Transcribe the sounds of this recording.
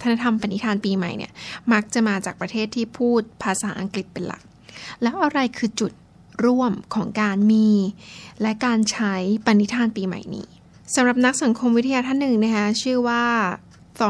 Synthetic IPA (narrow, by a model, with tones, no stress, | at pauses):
t̪ʰa˧na˧˥t̪ʰa˧mpa˧ni˦˥t̪ʰaː˧npiː˧ma̰˨˩jnḭ˥˩ɐma˦˥k̚t͡ɕa˨˩ʔmaː˧t͡ɕa̰ː˨˩k̚pɾa˧t̪ʰeː˥˩t̪ʰːiː˥˩pʰuː˥˩t̪̚pʰaː˧saː˩˦ʔa˧ŋkli˨˩t̪̚pe˧nla̰˨˩k̚ | lɛː˦˥wʔa˧ɾa˧jkʰɯː˧t͡ɕu˨˩t̪̚ | ɾu˥˩əmkʰɔː˩˦ŋkaː˧nmiː˧lɛ˦˥kaː˧nt͡ɕʰa˦˥jpa˧nːi˦˥t̪ʰaː˧npiː˧ma̰˨˩jnḭː˦ | sa˩˦mɾa˨˩p̚na˦˥k̚sa˩˦ŋkʰo˧mwi˦˥t̪ʰa˧jaː˧t̪ʰa˥˩nːɯ˨˩ŋna˦˥kʰa˦˥t͡ɕʰɯː˥˩waː˥˩ | t̪ɔ˧